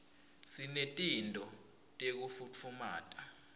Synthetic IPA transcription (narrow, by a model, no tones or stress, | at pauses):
sinetʼintʼɔ | tʼek̬ufut͡fʰuma̰ːtʼa